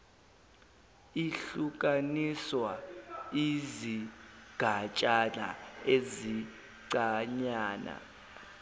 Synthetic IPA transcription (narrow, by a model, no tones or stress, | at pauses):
iɬuk̬ʼaniswaiziɡ̥ʱat͡ʃʼana̰ezi | ǀaɲaːna̰